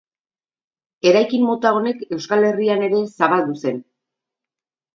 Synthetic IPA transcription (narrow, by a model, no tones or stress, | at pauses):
e̞ɾajkimːo̞t̪ao̞ne̞ke̞wskale̞riane̞ɾe̞saβald̪use̞n